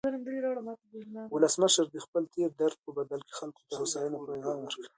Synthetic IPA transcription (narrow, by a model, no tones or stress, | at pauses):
zəɾamd̪əliɾɑɽomɑt̪abilawʊləsməʃəɾd̪əxpəlt̪ʰeɾd̪aɾd̪̚pəbad̪alke̥xalko̥t̪ahʊsɑjənopɾoɣɑwəɾk